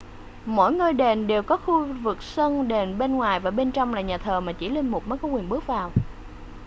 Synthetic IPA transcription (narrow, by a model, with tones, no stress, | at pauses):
mo̰˧˥˨jŋɨ˧jɗe˨˩nɗe˨˩wkɔ˨˦xu˧vɨ˨˩k̚sə˧nɗe˨˩nɓe˧nŋwaː˨˩jvaː˨˩ɓe˧nt͡ɕɔ˧wŋ͡mlaː˨˩ɲaː˨˩t̪ʰəː˨˩maː˨˩t͡ɕi˧˩lï˧ŋmʊ˨˩k͡p̚mɔː˨˦jkɔ˨˦kwi˨˩ənɓɨ˦˥ək̚vaː˨˩w